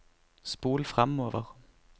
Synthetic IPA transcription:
sb̥oːlfʁamɔːʋəʁ

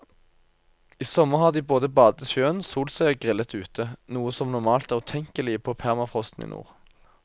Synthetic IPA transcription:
iːsɔməʁhɑːʁd̪iːboːd̪əbɑːd̪əʃjøːənsuːlt̪sœɡʁɪlət̪ʉːt̪ʰənuːəsɔmnɔmɑːlt̪æːʁt̪ʰɛŋkəlɪəpʰoːpʰæʁmɑfʁɔst̪n̩ḭːnṵːʁ

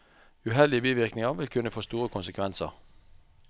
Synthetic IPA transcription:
ʉɦɛld̪ɪəbiːʋɪʁknɪŋɐʋɪlkʰʉnəfoːst̪uːʁəkʰʊnsəkʰʋɛnsə̰ʁ

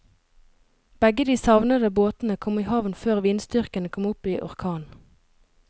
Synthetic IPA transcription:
b̥ɛɡəd̪iːsɑʋnəd̪əboːt̪n̩əkʰɔmiːhɑʋnføːʁʋiːnst̪ʏʁkənəkʰɔmʊpiːʔɔ̰ʁkʰɑːn

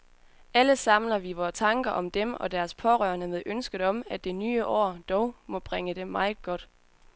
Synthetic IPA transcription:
æləsɑ̈mlɐʋiʋɒːt͡sʰɑ̈ŋɡ̥ɐʔɒ̽md̥emɒ̽d̥æɐspʰɒ̽ʁœ̰ːɐnəmeðˠʔønsɡ̥ð̩ˠɒ̽mæd̥e̝nyːəʔɒ̰ːd̥ɒʊmɒ̽b̥ʁɛŋəd̥emːɑ̈ɪð̩ˠɡ̥ɒ̽d̥

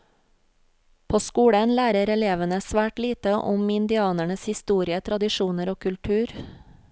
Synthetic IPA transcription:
pʰoːskuːɽənlæːɾəɾɛleːʋənəsʋæːʈliːt̪əʔʊmɪnd̪ɪɑːnæɳəshɪst̪uːɾɪət̪ʰɾɑd̪ɪʃuːnəɾoːkʰʉlʈʰʉːɾ

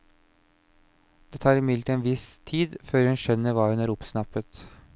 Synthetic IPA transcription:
d̪̥eːt̪ʰɑːɾɪmɪlt̪eːnʋɪst̪ʰiːd̪føːɾhʉnʃœnːəɾʋɑːhʉnæːɾʊpsnɑpət̪

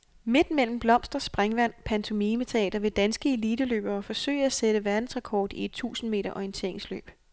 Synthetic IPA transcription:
me̝d̥mel̰m̩b̥lɒ̽m̰sd̥ʁɐsb̥ʁaŋʋæn̰pʰænt͡sʰo̝miːmet͡sʰeɛ̰ːd̥ɐʋe̝d̥ænsɡ̥əe̝liːd̥əlø̰ːb̥ɐːfɒ̽sø̰ɪæseɾ̥əʋæɐd̥n̩sʁakʰɒ̰ːd̥ie̝d̥̚t͡sʰṵːsn̩me̝̰ːɾɐʔɒijənt͡sʰe̝ɐ̰eŋslø̰ːb̥

